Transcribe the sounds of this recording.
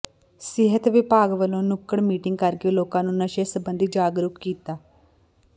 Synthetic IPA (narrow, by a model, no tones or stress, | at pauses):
sɪɦət̪ʋɪpaːɡʋəlõːnʊkːəɳmiːʈɪŋɡ̚kəɾkeːloːkãːnũːnəʃeːsəbənd̪iːd͡ʒaːɡɾʊkkiːt̪aː